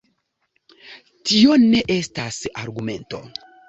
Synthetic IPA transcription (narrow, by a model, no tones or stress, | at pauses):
tio̞ne̞ʔe̞stasaɾɡume̞nto̞̰